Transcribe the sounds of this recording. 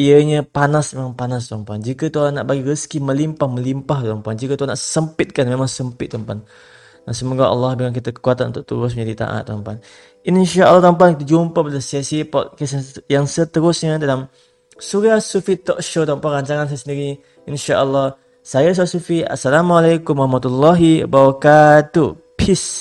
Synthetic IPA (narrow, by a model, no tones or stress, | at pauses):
iəɲəpanasmemaŋpanas̬t̪ɔmpuand͡ʒikət̪uaanaʔbaɡiɾəskiməlimpahmə̃limpaɦt̪ɔmpuand͡ʒikət̪uanaʔsəmpɪt̪̚kanmemaŋsəmpɪt̪ːɔmpan | dasəmoɡaʔɑ̰lːɑhbilaŋk̬it̪əkəkuat̪anʔunt̪ʊk̚t̪ulʊs̬məɲd͡ʒadit̪a̰ʔa̰t̪ːɔmpan | inʃaʔəlːɑht̪ɔmp̬ankit̪əd͡ʒumpabləsasipɔt̪̚kəsjaŋsət̪əɾʊsɲadalam | suɾasufit̪ɔʔkʃot̪ɔmpaʔɾaɲt͡ʃaŋansajasəndiɾi | ʔinʃaʔəlːɑh | sajas̬aasufia̰sːalamualajkumɾahmat̪ulːaɦḭbaɾɔkat̪u | pʰis